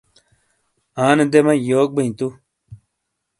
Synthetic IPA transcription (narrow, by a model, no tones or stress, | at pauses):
aːned̪emɐjoːk̚bɐĩt̪u